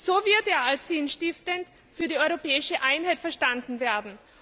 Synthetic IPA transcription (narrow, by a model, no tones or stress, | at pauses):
soːvɪɐteːɐalssiːnʃtɪftənt | fyːɐdiːɔʏʁopɛːɪʃəʔaɪnɦaɪtfɛɐʃtandn̩veːɐdn̩